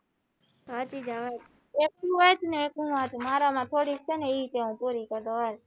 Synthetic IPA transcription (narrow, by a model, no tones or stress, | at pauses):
ɦaːt͡ʃiːd͡ʒaːʋeː | eːk̚uːʋeːt̪neeːkũːʋãːt̪ʰmaːɾaːmãːt̪ʰoːɽiːkt͡ʃʰeːnẽːiːt̪eːũːpuːɾiːkəɾd̪oːe